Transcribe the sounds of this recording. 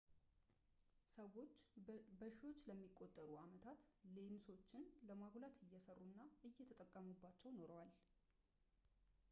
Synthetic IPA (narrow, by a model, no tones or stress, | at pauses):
səwo̞t͡ʃːbəʃiwo̞t͡ʃːləmːikʼːo̞t̪ʼːəɾuamət̪ʰat̪lenso̞t͡ʃːɪnləmaɡlat̪ʰɨjːɛsərːunːaɨjːɛt̪ʰət̪ʼəkʼːəmubːat͡ʃːɛwno̞ɾəwal